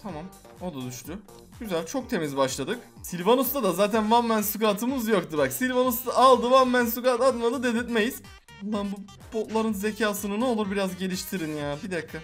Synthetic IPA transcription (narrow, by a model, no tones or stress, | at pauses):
t̪ʰamam | o̞d̪ad̪yʃt̪y | ɟ̥yzælʲt͡ʃʰo̞k̚t̪ʰe̞mizbaʃlˠad̪ɯk | silʲvanust̪ad̪azaːt̪ʰænvammænsukaːt̪ʰɯmɯzjokt̪ɯbaksilʲvanust̪aʔːlˠd̪ɯvanmænsukaːt̪at̪mad̪ɯd̪ed̪it̪mejiz̥ | lˠːanbu | bo̞t̪lˠaɾɯnze̞cʰaːsɯnɯnɛo̞lˠuɾbiɾazɟe̞lʲiʃt̪ʰiɾinjaːbid̪akʰːa